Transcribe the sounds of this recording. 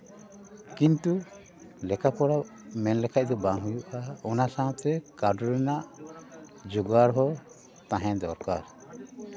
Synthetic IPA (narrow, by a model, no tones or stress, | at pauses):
kint̪u | lɛkapɔɽamɛnlɛkʰac̚d̪ɔbaŋɦujuʔaɔnasaɔ̃t̪ɛkaɖɔɾɛnaʔ | d͡ʒuɡaɾɦɔ | t̪ãɦɛ̃d̪ɔɾkaɾ